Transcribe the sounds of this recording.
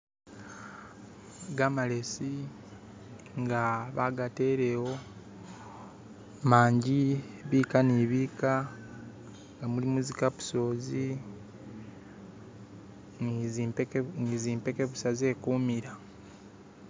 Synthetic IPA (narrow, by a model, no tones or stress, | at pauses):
ɡamale̞si | ŋɡaβaɡate̞ːɾe̞wo̞ | maːɲɟiβiːkaniβiːka | ŋɡamulimuzikaβu̥so̞ːzi | niziːmpe̞ke̞βusaze̞ːkuːmiɾa